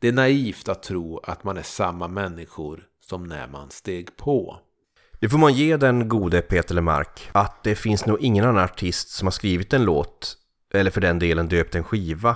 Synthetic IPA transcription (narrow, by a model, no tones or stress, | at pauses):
d̪̥ɛæɳaiːft̪at̪ʰːɾuːa̰t̪manæʂamːamɛnːɪɧʊɾ | sɔmnæ̰ma̰nst̪eːɡpʰɔ | d̪̥ɛfoːɾmanjeːd̪ɛnɡuːd̪əpʰeːt̪əɭma̰ɾkat̪̚d̪ɛfɪnsnuːɡɪŋːənanːanaʈʰɪst̪sɔmhaɾʂkɾiːvɪt̪ɛnloːt̪ | ʔɛlːəɾfœɖɛnd̪eːlənd̪øːp̚t̪ɛnɧiːva